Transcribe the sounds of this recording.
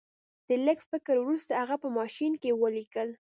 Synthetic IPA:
d̪̥ələɡfɪkəɾwɾust̪ahaɣapəmɑʃinkewəlikəl

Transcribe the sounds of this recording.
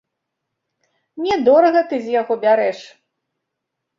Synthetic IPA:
mnʲɛd̪ɔɾɐɣɐt̪ɨzʲjaɣɔbʲaɾɛʂ

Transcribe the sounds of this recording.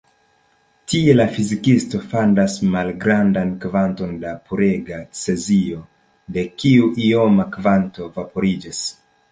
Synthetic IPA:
tie̞lafizikisto̞fandasmalɡɾandankvanto̞ndapʰuɾe̞ɡat͡se̞zio | de̞kiuʔio̞makvanto̞vapo̞ɾid͡ʒis

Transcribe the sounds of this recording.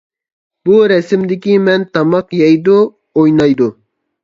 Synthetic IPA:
buɾɛsɪmd̪ɪkʲimɛnt̪ɑmɑqjɑjd̪u | ojnɑjd̪u

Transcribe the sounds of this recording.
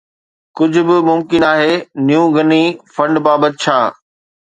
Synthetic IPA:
kʊd͡ʑʱʊbɪmʊmkɪnaːɦeːnijũːɡʱɐnifɐ̃ɳɖbaːbət̪ɪt͡ɕʰaː

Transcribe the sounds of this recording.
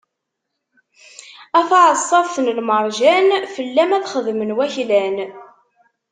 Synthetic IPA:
æθʕəsˤːɑðθnəlməɾˤʒænfəlːæmæθχəðmənwæçlæn

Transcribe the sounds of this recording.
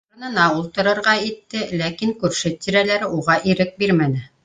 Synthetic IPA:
ɤ̆nɤ̆nɑulˠt̪ɤ̆ɾɤ̆ɾʁɑit̪ːɘlækiŋkʉɾʃɘt̪iɾælæɾɘʔuʁɑʔiɾɘk̚biɾmænɘ

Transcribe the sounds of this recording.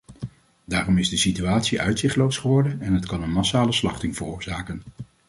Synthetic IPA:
daːrɔmɪzdəsityaːtsiʔœ̰ɥtsɪχtlowsχəʋɔɹdənɛnɦətkɑnənmɑsaːləslɑ̰χtɪŋv̥ərʊːɹzaːkən

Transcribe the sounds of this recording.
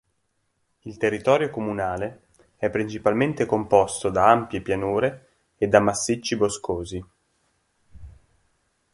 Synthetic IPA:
ilt̪erːit̪ɔːɾjokomunaːle | ɛpːɾint͡ʃipalment̪ekompɔst̪od̪aampjepjanuːɾeː | d̪ːamːasːit͡ʃːiboskoːzi

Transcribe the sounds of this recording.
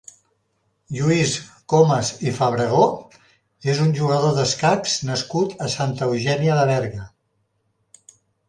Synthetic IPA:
ʎuiskoməzifəβɾəɣ̞o | ezunʲʒuɣəðoðəskaksnəskut̪əsant̪əəwʒɛniələβɛɾɣə

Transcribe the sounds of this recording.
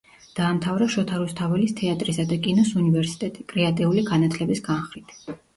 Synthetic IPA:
d̪̥aːmt̪ʰavɾaʃɔt̪ʰaɾust̪ʰavɛlist̪ʰɛat̪ʼɾisad̪akʼinɔsunivɛɾsi̥t̪ʼɛt̪ʼikʼɾɛat̪ʼiuliɡanat̪ʰlɛbisɡanχɾit̪ʰ

